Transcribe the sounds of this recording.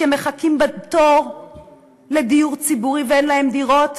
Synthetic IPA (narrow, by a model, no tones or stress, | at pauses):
emeχakimbat̪oʁ | le̞d̪ijuʁt͡sibuʁiveenlahe̞md̪iʁo̞t